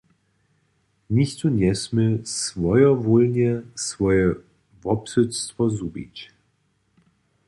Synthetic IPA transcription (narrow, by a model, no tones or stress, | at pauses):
niçtunjɛsməsvɔjɐvoːlnəsv̥ɔjə | vɔpsʏt͡stvɐzubḭt͡ʃ